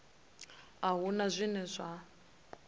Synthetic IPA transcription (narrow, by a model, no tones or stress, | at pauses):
aɦunazʷinɛzʷa